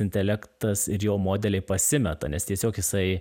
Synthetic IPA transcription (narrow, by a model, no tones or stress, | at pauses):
ɪnʲt̪ʲɛlʲækt̪ɐsɪɾjoːmoːd̪ʲɛlʲɛɪpɐsʲɪmʲɛt̪ɐ̰nʲɛst̪ʲiɛsʲoːkjɪsɐɪ